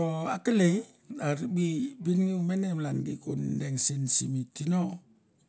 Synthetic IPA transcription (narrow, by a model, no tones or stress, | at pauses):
ɔakəle | aɾbibinŋiumenɛmlanɡikundeŋsinsimitinɔ